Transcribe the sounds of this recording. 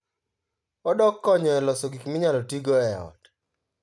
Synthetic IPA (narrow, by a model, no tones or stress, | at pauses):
ɔdɔkːɔɲɔɛlɔsɔɡikmɪɲalɔtiɡoɛɔ̰d